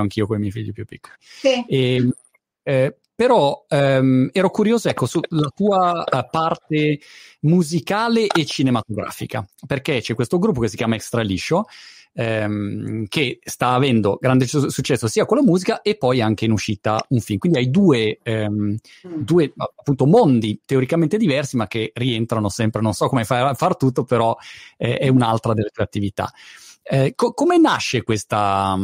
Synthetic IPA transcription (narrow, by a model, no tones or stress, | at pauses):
aŋk̟iːokomemɛjfiʎːipjupːikːolise | peɾɔɛɛːɾokuɾjoːzoɛkːosulat̪uːapart̪emuzikaːleʔet͡ʃːinemat̪oɡɾa̰ːfḭkaperket͡ʃɛkːwest̪oɡɾupːokesːikjaːmaekst̪ɾaliʃo | ɛmkest̪aːvɛnd̪oɡɾand̪esut͡ʃːɛsːosiːakolːamuːzikaʔepːɔjaŋk̟einuʃiːt̪auɱfilmkwind̪iajd̪uːe | d̪uːeapːunt̪omond̪it̪eoɾikament̪ed̪ivɛrsimak̟ːerient̪ɾanosɛmpɾenonsɔkːomefafart̪ut̪ːopeɾɔɛʔɛunalt̪ɾad̪elːet̪ueat̪ːivit̪a̰ | kokomenaʃːekwest̪a